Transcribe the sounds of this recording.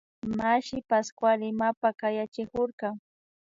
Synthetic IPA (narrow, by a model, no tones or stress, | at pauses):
maʃɪpaskwalɪmapakajat͡ʃɪkoɾkaŋ